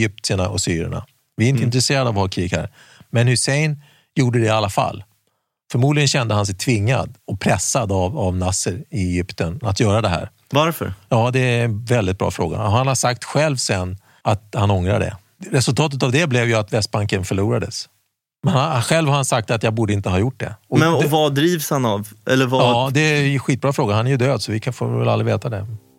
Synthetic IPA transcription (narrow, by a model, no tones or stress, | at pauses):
jʏp̚t̪ɪənaʔɔsyːɾɛ̰ɳa̰ | vɪɾɪnt̪ɪnt̪ɾɛseːɾad̪avhɑkʰɾiːɡhæ̰ːɾ | mɛnhʉsɛjn | juːɖəd̪ɛalːafa̰lː | fœɾmuːd̪lɪɡənɕɛnd̪əhans̬ɛjt̪ʰvɪŋːa̰d̪ɔpʰɾɛsːad̪avavnasəɾɪɛjʏpt̪ənat̪jœːɾad̪ɛɦæ̰ːɾ | vaɾfə̰ɾjɑːd̪ɛnvɛld̪ɪt̪̚bɾʔɑ̰ːfɾo̰ːɡa̰hanhasak̚t̪ɧɛlvsɛnː | at̪hanɔŋɾa̰ɖɛ̰ | ɾɛsɵlt̪ʰɑːt̪̬ət̪avd̪ɛblɛvjɵat̪vɛst̪̚baŋkənfœɭuːɾad̪əs | mɛnaɧɛlvhaɾhansak̚t̪at̪jaːɡbuːɖəɪnt̪əɦɑːjʊʈ̚ːɖɛ̰ɔmɛnvad̪ɾiːvshanavʔɛlːəɾvɑːd̪ɛɧiːt̪̚bɾɑːfɾoːɡahanæɾjɵd̪øːd̪sɔvɪkʰfo̰ːɾvɛlalɾɪveːt̪ad̪ɛ